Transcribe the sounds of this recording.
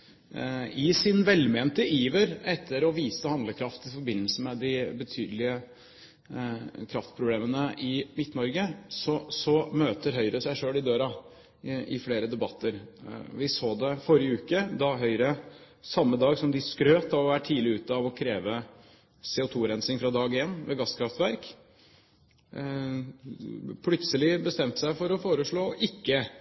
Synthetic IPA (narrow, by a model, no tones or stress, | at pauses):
ɪsɪnʋɛlmeːnt̪əʔiːʋəɾɛt̪ʰːəɾɔʋiːsəhɑnd̪ləkʰɾɑft̪ɪfɔɾbɪnːəl̩s̩mɛd̪ɪbət̪ʰy̰ːd̪əlɪə | kʰɾɑft̪pʰɾʊbleːmənəʔɪmɪt̪ːnɔɾɡəsɔsɔmøːt̪əɾɦœʏɾəsæɪʂøːlɪd̪øːɾɑ | ɪfleːɾəd̪ɛbɑt̪ʰːəɾʋɪsoːd̪ɛfɔɾjɪəʉːkəd̪ɑɦœʏɾə | sɑmːəd̪ɑːɡsɔmd̪ɪskɾøːt̪ɑʋɔʋæːʈʰiːd̪lɪʉːt̪əɑʋɔkʰɾeːʋə | sɛːʊt̪ʰuːɾɛnsɪŋfɾɑd̪ɑːɡɪjɛnːʋeːɡɑsːkʰɾɑft̪ʋæɾk | pʰlʉt̪səlɪbəst̪ɛmt̪ə̥sæɪfɔɾɔfoːɾəʂɭoːʔɪkːə